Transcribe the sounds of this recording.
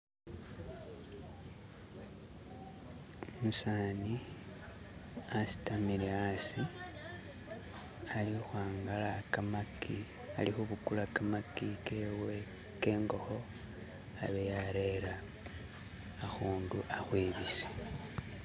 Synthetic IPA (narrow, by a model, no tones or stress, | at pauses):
musaːni | asi̥tamiɾeasi | alixwaːŋɡalakamaki | a̰lixuβukulakamakikewe̞ | ke̞ːŋɡo̞xo̞ | aβejaɾe̞ɾa | xuːnduʔaxweːβise̥